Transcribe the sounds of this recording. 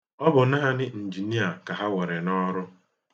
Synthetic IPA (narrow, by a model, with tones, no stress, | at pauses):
ɔ˦bʊ˨na˦ɦa˦nɪ˦n̩˨d͡ʒi˨ni˦a˨ka˨ɦa˦we˨ɾe˨nɔ˦ɾʊ˦